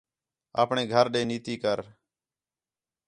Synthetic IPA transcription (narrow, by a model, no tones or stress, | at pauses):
a̰ːpɳeːɡʱəɾɗeːniːt̪iːkəɾ